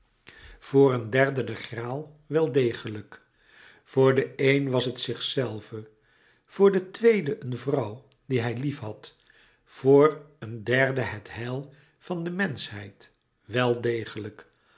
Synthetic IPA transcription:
v̥ʊːrəndɛɹdədəχraːlˠ | ʋɛlˠdejχələk | v̥ʊːɹdəejnʋɑsɦətsɪχsɛlˠvə | v̥ʊːɹdətʋejdəʔənvrʌw | diɦɛjlifɦɑt | voːɹəndɛɹdəɦɛtɦɛlˠ | v̥ɑndəmɛnsɦɛ̰jt | ʋɛlˠdejχələk

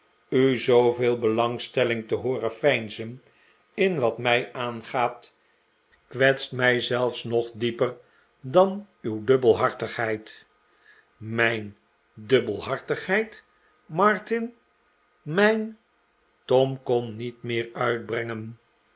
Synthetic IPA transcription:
yzowvɪːlˠbəlɑŋstɛlɪŋtəɦʊːɾəfɛjnzən | ɪnʋɑtmɛjʔaːnχaːt | kʋɛtstmɛjzɛlˠfsnɔχdipər | dɑn | ywdɵbəlˠɦɑɹtəχɦɛjt | mɛjn | dɵbəlˠɦɑɹtəχɦɛjt | mɑɹtɪn | mɛjn | tɔmkɔmnitmɪːɹœɥd̚brɛŋən

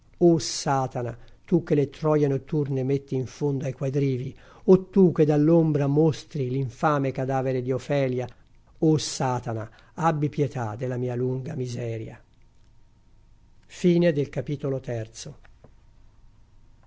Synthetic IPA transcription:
osaːt̪anat̪uk̟ːelet̪ɾɔːjenot̪ːurnemet̪ːiːɱfond̪oajkwajd̪ɾiːvi | ot̪ːukːed̪alːombɾamost̪ɾiliɱfaːmekad̪aːveɾed̪iofɛːlja | osaːt̪ana̰ | abːipjet̪ad̪elamiːaluŋɡamizɛːɾja̰ | fiːned̪elkapiːt̪olot̪ɛrt̪so

